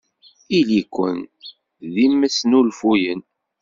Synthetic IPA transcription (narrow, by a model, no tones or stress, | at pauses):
ilikʷːən | ðimːəsnulfujən